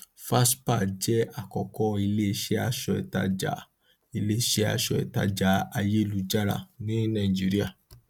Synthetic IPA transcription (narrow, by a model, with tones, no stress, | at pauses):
fa˦spa˦˨d͡ʒɛ˦a˦˨kɔ˨kɔ˧˦i˧le˦˧ʃɛ˦a˧ʃɔ˧ɛ̰˨ta̰˧d͡ʒa̰˨ | i˧le˦˨ʃɛ˦a̰˧ʃɔ˨ɛ̰˨ta̰˧d͡ʒa˨˦a˧je˦lu˧d͡ʒa˦ɾa̰˦˨nĩ˦nã˦˨i˨d͡ʒi˦ɾi˦a˦˨